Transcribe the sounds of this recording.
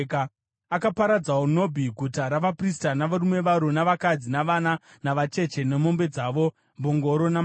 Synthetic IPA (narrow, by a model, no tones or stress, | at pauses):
k | akapaɾad͡zawono̞bʱiɡʱutaɾaʋapris̬tanaʋaɾumwe̞ʋaɾonaʋakad͡zinaʋananaʋat͡ʃe̞t͡ʃe̞nemo̞mbe̞d͡zaːʋo̞ | mboŋɡo̞ɾo̞na